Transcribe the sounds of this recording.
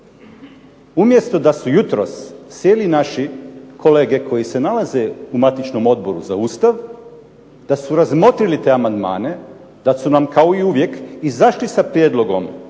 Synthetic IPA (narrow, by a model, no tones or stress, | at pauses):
umje̞st̪o̞d̪asujut̪ɾossjeːlinaʃikʰo̞le̞ːɡe̞kʰo̞jise̞nalaze̞umat̪it͡ʃno̞mo̞d̪̚bo̞ɾṵzauːst̪aʋ | d̪̥asuɾazmo̞t̪ɾilit̪e̞amand̪ma̰ːne̞ | d̪̥asunamkaoiuʋje̞kizaʃlisapɾjed̪lˠo̞ɡo̞m